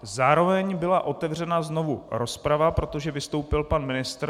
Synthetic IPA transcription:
zaːɾo̞vɛɲbɪlaʔo̞t̪ɛvr̝ɛnazno̞vuɾo̞spɾavapɾo̞t̪o̞ʒɛvɪst̪o̞wpɪlpanmɪnɪst̪ɾ

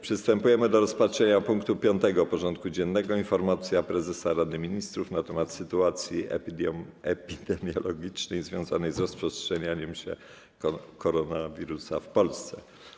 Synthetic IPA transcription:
pʂɘst̪ɛmpujɛmɘd̪ɔɾɔspatʂɛɲapuŋkt̪upʲjɔnt̪ɛɡɔpɔʐɔnt̪̚kud͡ʑɛnːɛɡɔinfɔɾmat̪sʲjapɾɛzɛsaɾad̪ɘmʲiɲist̪ɾufnat̪ɛmat̪sɘt̪uat̪sʲjiɛ̰ɛpʲid̪ɛmʲjɔlɔɡʲit͡ʂnɛjzvʲjɔ̃w̃zanɛjzɾɔspʂɛstʂɛɲaɲɛmɕɛ̰ | kɔɾɔnavʲiɾusa̰fpɔlst̪sɛ

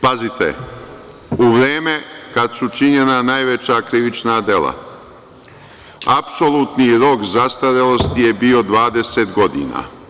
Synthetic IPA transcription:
pazit̪ḛ | uʋɾeːme̞kad̪sut͡ʃiɲe̞nanaːjʋe̞t͡ɕakɾiʋit͡ʃnad̪e̞lˠa̰ | apso̞lˠut̪niɾo̞kzast̪aɾelˠo̞st̪ije̞bio̞d̪ʋaːd̪e̞seːt̪ɡo̞d̪ḭːna̰ː

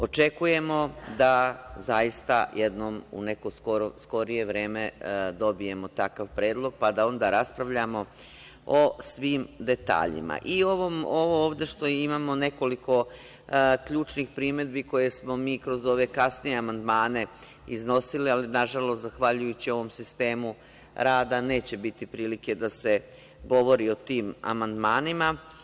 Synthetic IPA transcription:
o̞t͡ʃe̞kuje̞mo̞d̪azajist̪a̰jed̪noːmṵne̞koskoɾosko̞ɾije̞ʋɾe̞ːme̞d̪o̞bije̞mo̞t̪akaʋpɾe̞ːd̪lˠo̞ɡ̚pad̪ao̞nd̪aɾaspɾaʋʎamo̞ | osʋiːmd̪e̞t̪a̰ːʎḭma̰ʔioʋomoʋooːʋd̪e̞ʃt̪o̞imaːmo̞ne̞ko̞likʰo̞ | kʎuːt͡ʃnixpɾiːme̞d̪biko̞je̞smo̞miːkɾo̞zo̞ːʋe̞kasnije̞amand̪maːne̞ | izno̞silialinaʒalost̪zaxʋaʎujut͡ɕio̞ʋo̞msist̪e̞ːmu | ɾaːd̪ane̞ːt͡ɕe̞bit̪ipɾiːlike̞d̪ase̞ | ɡo̞ʋo̞ɾio̞t̪iːma̰mand̪maːnima

